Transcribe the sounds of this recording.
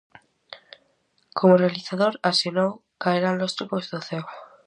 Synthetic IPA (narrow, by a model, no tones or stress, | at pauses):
kʰo̞morealiθaðoɾasjonow | kaeɾanlost̪ɾupozðoθew